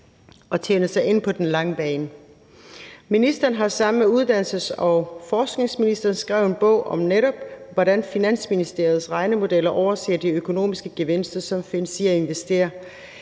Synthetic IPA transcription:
ɒ̽t͡sʰenəsɑ̈ɪe̝n̰pʰɒ̽d̥enlɑ̈ŋəb̥ɛːn | minisd̥ɐn̩ɦɑ̈sɑ̈mmeuð̞ˠd̥æn̰l̩səsɒ̽fɒːsɡ̥ne̝ŋsminisd̥ɐːn̩sɡ̥ʁɛʊ̰enb̥ɔ̰̽ʊ̰ʔɒ̽mneɾɒ̽b̥ʋɒdænfinæn̰sminisd̥e̝ɐð̩ˠsʁɑ̈ɪnəmo̝d̥elɐʔɒʊɐse̝̰ːɐd̥iøkʰo̝no̝̰ːmisɡ̥əɡ̥e̝ʋe̝n̰sd̥ɐsɒ̽mfensiæe̝nʋesd̥e̝̰ːɐ

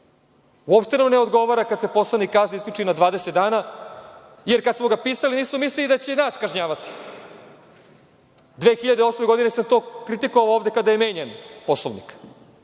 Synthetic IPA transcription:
uopʃt̪enamneod̪ɡo̞ʋaɾakad̪se̞po̞slˠanikːazniiskʎʲut͡ʃinad̪ʋaːd̪eset̪d̪aːna | jeɾkad̪smo̞ɡapiːsaliniːsmomislilid̪at͡ɕenaːskaʒɲaːʋat̪i̥ | d̪ʋe̞ːxiʎad̪eo̞smeɡo̞d̪inesamt̪o̞ːkɾit̪ikoʋalovd̪e̞kad̪ajeme̞ːɲenposlˠoʋnḭk

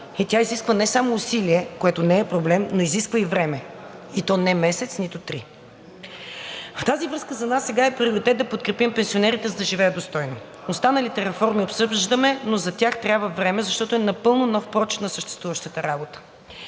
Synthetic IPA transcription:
ɛt̪ʲaiziskvənɛsamoːsiliɛkoɛt̪onɛːpɾoblɛmnoiziskvəivɾɛmɛit̪ɔnɛmɛsɛt̪snit̪ʊt̪ɾi | ft̪azivɾɤskəzɐnasːɛɡaɛpɾioɾit̪ɛt̪̚d̪ɐpot̪̚kɾɛpimpɛnsionɛɾit̪ɛzəd̪ɐʒivɛjəd̪ost̪ɔjno | ost̪anəlit̪ɛɾɛfɔɾmiopsɤʒd̪əmɛnozɐt̪ʲjaxt̪ɾʲjabvəvɾɛmɛzɐʃt̪ɔt̪oɛnɐpɤlˠnʊnɔfpɾɔt͡ʃi̥t̪nɐsəʃt̪ɛ̥st̪vuvəʃt̪ət̪əɾabot̪ə̥

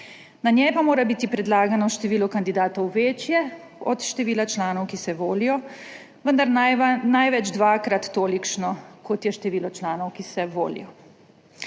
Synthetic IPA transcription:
naɲjɛjpamoːɾabiːt̪ipɾɛd̪laːɡanɔʃt̪ɛʋiːlɔkand̪id̪aːt̪ɔwʋeːt͡ʃjɛ | ɔt̪ʃt̪ɛʋiːlat͡ʃlaːnɔwkisɛʋoːlijɔ | ʋənd̪aɾnnajʋɛd͡ʒd̪ʋaːkɾat̪ːoːlikʃnɔkʰɔt̪jɛʃt̪ɛʋiːlɔt͡ʃlaːnɔwkisɛʋo̰ːlḭjɔ

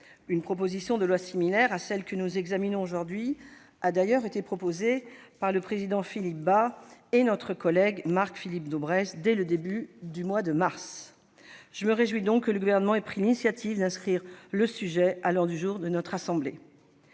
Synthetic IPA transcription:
ynpχɔp̬ozisjɔ̃d̪əlwasimilɛʁasɛlkənuzɛɡzaminɔ̃oʒuʁd̪ɥi | ad̪ajœʁet̪epχɔpozepaʁləpχezid̪ɑ̃filip̚baenɔt̪χəkɔlɛɡmaʁkfilip̚d̪obʁɛsd̪ɛləd̪ebyd̪ymwad̪əmaʁs | ʒ̥əməʁeʒwid̪ɔ̃kːələɡuvɛʁnəmɑ̃ɛpχilinisjat̪ʰivd̪ɛ̃skχiʁləsyʒɛalɔ̃d̪yʒuʁd̪ənɔt̪χasɑ̃ble

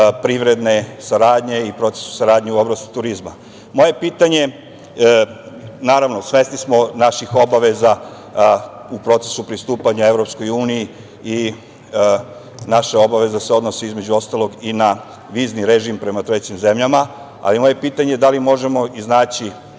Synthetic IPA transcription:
pɾiʋɾe̞d̪ne̞saɾaːd̪ɲe̞ipɾo̞t̪se̞̥su̥saɾaːd̪ɲeuoblast̪i̥t̪uɾizma | mo̞je̞piːt̪aɲe̞ | naːɾaʋnosʋe̞st̪nismo̞naʃixo̞baʋe̞za | upɾo̞t̪se̞̥supɾist̪uːpaɲae̞ʋɾo̞psko̞juːniji | i | naʃao̞baʋe̞zaseo̞d̪nosiizme̞d͡ʑuo̞st̪alˠo̞ɡina | ʋiːzniɾeʒimpɾe̞mat̪ɾe̞t͡ɕimze̞mʎama | a̰limo̞je̞piːt̪aɲed̪alimo̞ʒe̞mo̞iznaːt͡ɕi

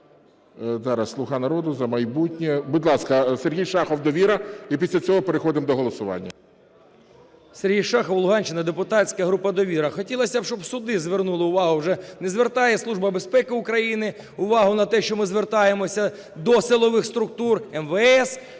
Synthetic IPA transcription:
zɑɾɐsːlˠʊxɑnɐɾɔd̪ʊzɐmɐjbutʲnʲɛbʊd̪ʲlˠɑskɐserɦʲijʃɑxɔwd̪ɔʋʲiɾɐipʲisʲlʲɐt͡sʲɔɦɔpeɾexɔd̪ɪmd̪ɔɦɔlˠɔsʊʋɑ̰nʲːɐ̰ | serɦʲijʃɑxɔwlˠʊɦɑnʲt͡ʃɪnɐd̪epʊt̪ɑt͡sʲkɐɦɾupɐd̪ɔʋʲiɾɐxɔtʲilˠɐsʲɐbʃt͡ʃɔbsʊd̪ɪzʋernulˠɪʊʋɑɦʊwʒɛnezʋert̪ɑjɛslˠuʐbɐbespɛkɪʊkɾɐjinɪ | ʊʋɑɦʊnɐt̪ɛʃt͡ʃɔmɪzʋert̪ɑjemɔsʲɐ | d̪ɔsɪlˠɔʋɪxst̪ɾʊk̚t̪urɛmʋɛɛs

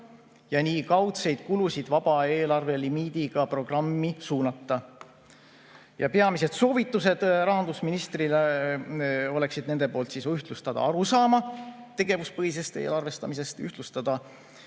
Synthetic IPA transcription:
jɑniːkɑwt̪se̞jd̪̥kulusid̪̥vɑb̥ɑeːlɑrve̞limiːd̪̥iɡ̥ɑpro̞ɡ̥rɑmːisuːnɑt̪ːɑ | jɑpe̞ɑmise̞d̪̥so̞ːvit̪ːˑuse̞d̪̥rɑɦɑnd̪usminist̪rile | o̞le̞ksid̪̥̚ne̞nd̪e̞po̞ːlt̪siːsyht̪lust̪ɑd̪̥ɑ̰ɑɾusɑːmɑt̪e̞ɡ̥e̞vuspɤɦise̞st̪ḛːlɑrve̞st̪ɑmise̞st̪yht̪lust̪ɑd̪̥ɑ

